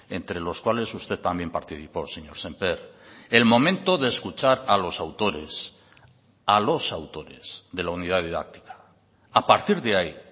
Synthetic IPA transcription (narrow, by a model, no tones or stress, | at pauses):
e̞nt̪ɾe̞lo̞skwale̞sust̪e̞ðt̪ambje̞mpaɾt̪iθipo̞seɲo̞ɾse̞mpeɾelmo̞mẽnt̪o̞ðe̞ːskut͡ʃaɾalo̞sawt̪o̞ɾe̞̰s | alo̞sawt̪o̞ɾe̞̰z̥ðe̞launið̞aðiða̰k̚t̪i̥kḁ | apaɾt̪iɾðeai